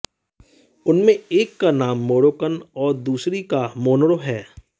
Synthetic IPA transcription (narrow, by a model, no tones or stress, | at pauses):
ʊnmẽeːkːanaːmːoːɽoːkənɔːɾd̪uːsɾikamoːnɽoɦɛː